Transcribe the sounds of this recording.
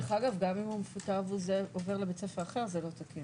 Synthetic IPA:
eχaɡavɡamimumefutavuzeove̞ʁlebet͡sefeʁaχe̞ʁzelo̞t̪aki

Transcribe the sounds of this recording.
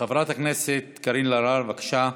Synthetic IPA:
avɾat̪hakneset̪kaɾinlaɾaɾvakʃa

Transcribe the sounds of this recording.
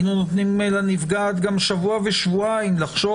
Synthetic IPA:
nunot̪nimelanivɡaːt̪ɡamʃavuaveʃvuaimlaχʃo

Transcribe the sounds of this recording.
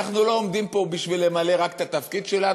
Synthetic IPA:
aχnulo̞omd̪impo̞biʃvilemale̞ʁakt̪at̪afkid̪ʃe̞la

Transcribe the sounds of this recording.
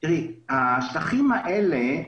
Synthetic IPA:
ʁihaʃlaχimaʔele

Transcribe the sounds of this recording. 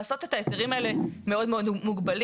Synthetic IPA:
so̞te̞taeteʁimaele̞meo̞dmeo̞dmuɡbal

